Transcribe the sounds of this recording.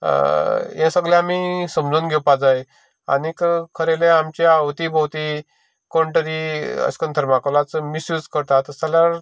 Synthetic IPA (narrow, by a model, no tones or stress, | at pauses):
jɛ̃səɡljãamisəmd͡zuːnɡʱɛwpad͡zaj | a̰nikkʰəɾelẽamt͡ɕeaʋt̪ibʱəwt̪i | koɳʈəɾiə̰skənt̪ʰəɾmakəlat͡səmisjuːd͡zkəɾt̪at̪əsaljaɾ